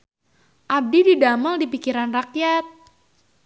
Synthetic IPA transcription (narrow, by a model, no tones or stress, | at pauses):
ʔab̚dididamaldipikiɾanrak̚jat̪̚